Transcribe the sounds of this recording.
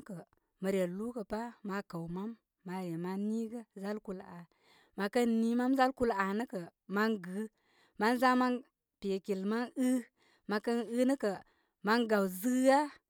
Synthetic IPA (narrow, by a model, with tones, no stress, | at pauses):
kə˨ | mə˨ɾe˨lu˦kə˨pa˦ma˧kə˨wma˦mː | a˨je˨ma˦ni˦ɡə˦za˦lku˧la˨ | ma˨kə˦nːi˦ma˦mza˦lku˦la˨nə˦kə˨ma˦nɡɨ˨˦ | ma˦nza˦ma˦n | pe˨ki˨lma˦nɨ˦ | ma˧kə˦nɨ˦nə˦kə˨ | ma˦nɡa˨wzɨ˦a˦